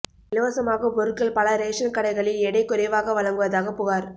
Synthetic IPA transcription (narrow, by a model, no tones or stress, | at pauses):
ɪlɪʋɐsɐmaːɣɐpɔɾɯkːɐlpɐlɐɾeːʂɐnkɐɽɐɪɣɐɭɪlɛɽɐɪkːʊɾɐɪʋaːɣɐʋɐɭɐŋɡɯʋɐðaːɣɐpːʊɣaːɾ